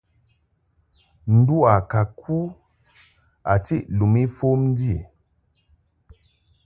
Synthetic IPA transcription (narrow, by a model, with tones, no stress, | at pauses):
n̩˨du˦a˨ka˨kʰu˦ | a˨ti˦ʔlu˨mi˦fo˦mn̩˦di˦e˨